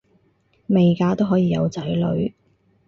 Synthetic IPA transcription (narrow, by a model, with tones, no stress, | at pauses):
me˨jkaː˧t̪o˥ɦɔː˨˥jiː˨˧jɐ˨˧wt͡sɐ˨˥jlɵ˨˧ɥ